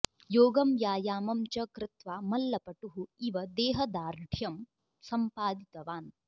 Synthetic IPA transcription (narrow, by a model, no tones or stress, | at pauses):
joːɡɐmjaːjaːmɐmt͡ʃɐkɾɪt̪ʋaːmɐlːɐpɐʈuɦuiʋɐd̪ɛːɦɐd̪aːɾd̪ʱjɐm | sɐmpaːd̪it̪ɐʋaːn